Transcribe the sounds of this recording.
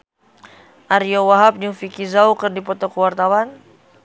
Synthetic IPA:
ʔaɾiowaɦap̚ɲufikizaukɨrdipɔt̪ɔkəwart̪awan

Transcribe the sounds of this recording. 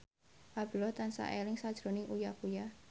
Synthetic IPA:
ʔab̥ṳlɔht̪ansa̰ʔelɪŋsad̥ʒ̥ɾonɪŋʔujakuja

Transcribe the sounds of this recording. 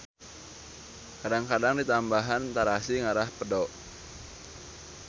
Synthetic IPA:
kadaŋkadaŋdit̪ambaɦant̪aɾasiŋaɾahpədɔʔ

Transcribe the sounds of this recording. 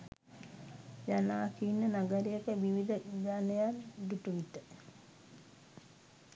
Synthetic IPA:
janaːkinːənaɡəɾejəkəʋiʋid̪əd͡ʒanejald̪uʈuʋit̪ːə

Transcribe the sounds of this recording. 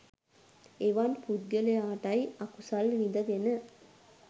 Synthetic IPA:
eʋanpud̪̚ɡəlejaːʈɐjɐkusɐlʋid̪ɐd̪enə

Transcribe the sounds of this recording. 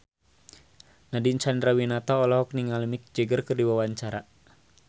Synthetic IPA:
nadiɲt͡ʃandɾawinat̪ɔɔlɔɦɔk̚niŋalmik̚d͡ʒəɡərkərdiwawaɲt͡ʃaɾa

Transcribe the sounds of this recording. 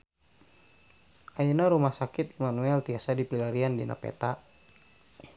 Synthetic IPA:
ʔainaɾumahsakɪt̪imanuɛlt̪iasadipilaɾiandina̰pɛ̰t̪a

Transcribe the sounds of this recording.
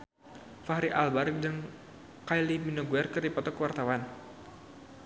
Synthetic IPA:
faɦɾiʔalbard͡ʒəŋ | kajliminoɡuɛrkərdipɔt̪ɔkəwart̪awan

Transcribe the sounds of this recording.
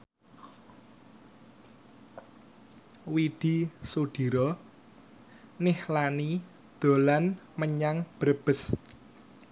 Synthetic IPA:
wiɖ̪̥isod̪̥i̤ɾɔ | nɪhlani | d̪̥o̤lanməɲaŋb̥ɾəb̥ə̤s

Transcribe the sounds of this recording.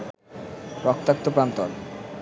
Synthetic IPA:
pɾɔkt̪ːak̚t̪opɾant̪ɔ̰l

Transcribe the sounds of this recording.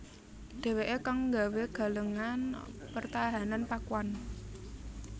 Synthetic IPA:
ɖ̥e̤weʔekaŋːɡaweɡ̥a̤ləŋanpərt̪aɦananpakuwan

